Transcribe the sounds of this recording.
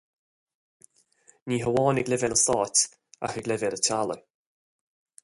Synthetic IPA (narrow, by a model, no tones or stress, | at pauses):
niːɦəwɔːnɪɡlɪvɛləsɔːt | a̰xəɡlɪvɛlətʰalɔ̰